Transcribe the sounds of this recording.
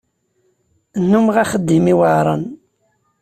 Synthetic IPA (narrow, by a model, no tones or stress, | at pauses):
nːumʁaχəd̪ːimiwaɾˤɑ̰n